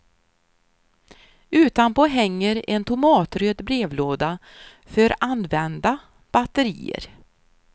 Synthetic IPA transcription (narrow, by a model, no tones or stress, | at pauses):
ʉ̟ːt̪anpoːɦɛŋːəɾɛnt̪ʰʊmɑːt̪ɾøːd̪bɾeːvloːd̪a | fœɾanvɛnd̪a | b̥at̪əɾḭːə̰ɾ